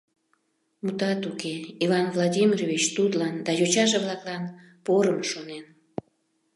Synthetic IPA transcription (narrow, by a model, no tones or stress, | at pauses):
mut̪ɑt̪ukeivɑnvladʲimʲiroβit͡ɕt̪ut̪lɑnd̪ɑjot͡ɕɑʒeβlɑklɑn | poɾəmʃonen